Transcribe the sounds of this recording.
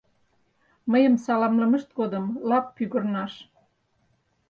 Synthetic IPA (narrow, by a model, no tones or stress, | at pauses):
məjəmsɑlɑmləmə̆ʃt̪̚ɡod̪ə̆mlɑpːyɣə̆rnɑʃ